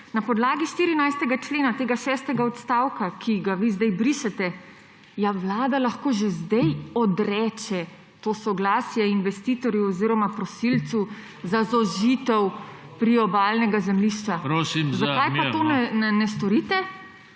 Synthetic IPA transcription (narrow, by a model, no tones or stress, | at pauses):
napɔd̪laːɡiʃt̪iɾinajst̪ɛɡat͡ʃleːnat̪eːɡaʃɛːst̪ɛɡaɔt̪st̪awkakʰiɡaʋizd̪ɛjbɾiːʃɛt̪ɛ | jaʋlaːd̪alaxkoːʒezd̪ɛjɔd̪ɾɛːt͡ʃɛ | t̪oːsɔɡlaːsjɛinʋɛst̪iːt̪ɔɾjuɔziɾɔmapɾɔsilt̪su | zazɔʒiːt̪ɛw | pɾiɔbalnɛɡazɛmliʃt͡ʃaɾosizakajpaoːnɛnɛnɛst̪ɔɾit̪ɛ